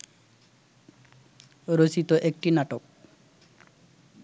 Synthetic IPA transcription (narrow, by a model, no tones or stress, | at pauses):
ɾot͡ɕit̪oʔek̚ʈinaʈok̚